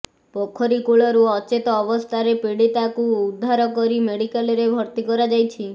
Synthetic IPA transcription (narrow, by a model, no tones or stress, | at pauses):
pɔkʰɔɾikuɭɔɾuɔt͡ʃet̪ɔːbɔst̪ʰaɾepiɽit̪akuːd̪ʱːaɾɔkɔɾimeɽikalɔɾebʱɔɾt̪ikɔɾad͡ʒajt͡ʃʰi